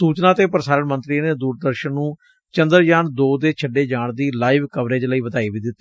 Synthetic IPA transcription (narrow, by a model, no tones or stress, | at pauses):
suːt͡ʃnãːt̪eːpəɾsaːɾəɳmənt̪ɾiːneːd̪uːɾd̪əɾʃənːũː | t͡ʃənd̪əɾd͡ʒaːnd̪oːd̪eːt͡ʃʰəɖːeːd͡ʒaːɳd̪iːlaːiʋkəʋɾeːd͡ʒ̪ləiːʋəd̪aːiːʋiːd̪ɪt̪ː